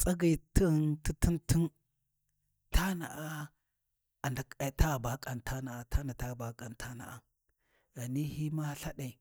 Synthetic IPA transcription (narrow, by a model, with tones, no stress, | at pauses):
t͡sʼa˦ɡa˨ti˦ɣnti˦ti˦nti˦n | tʰa˦na̰˨ʔa˦ | a˨nda˨ka˨ta˦˨ba˨kʼa˨ntʰa˦na˨a˨tʰa˦na˨ta˦˨ba˨kʼa˨ntʰa˦na̰˨a˨ | ɣa˨ni˦hi˦ma˦ɬa˦ɗa˨